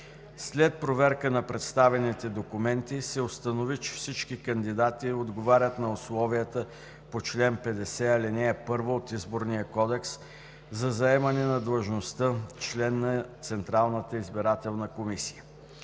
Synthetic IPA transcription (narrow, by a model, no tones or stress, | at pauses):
slɛt̪̚pɾovɛɾkənɐpɾɛt̪st̪avɛnit̪ɛd̪okʊmɛnt̪isɛost̪ənovit͡ʃɛ̥fsit͡ʃkikənd̪id̪at̪iod̪ɡovaɾʲət̪nɐʊslˠɔvijət̪ə | pot͡ʃlɛnpɛd̪ɛsɛɐlinɛːpɤɾvoːt̪izboɾnijəkɔd̪ɛks | zɐzɐɛmɐnɛnɐd̪lˠəʒnost̪ət͡ʃlɛnːɐt̪sɛnt̪ɾalˠnət̪əizbiɾat̪ɛlˠnəkomisi̥jə